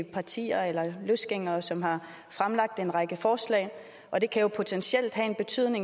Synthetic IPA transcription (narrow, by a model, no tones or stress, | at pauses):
pʰɑ̈t͡sʰḭːɐelɐløsɡ̥eŋ̰ɐːsɒ̽mɦɑ̈ | fʁamlɑ̈ɡ̥̚d̥e̝nʁɑ̈ɡ̥əfɒːslɛ̰ːɪ | ʔɒ̽d̥e̝kʰæjo̝pʰo̝t͡sʰensel̰d̥ɦæ̰enb̥e̝t͡sʰy̰ð̰ˠne̝ŋ